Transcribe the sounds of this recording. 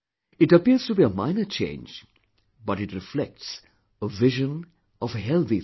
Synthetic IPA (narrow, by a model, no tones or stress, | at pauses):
ɪʈəpiəɾz̥tubiəmã̰ɪ̃nət͡ʃʰḛ̃ɪ̃nd͡ʒ | bʌɾɨʈɾɪflɛk̚ʈs | əvɪʒə̃n | ɔvhɛlˠθi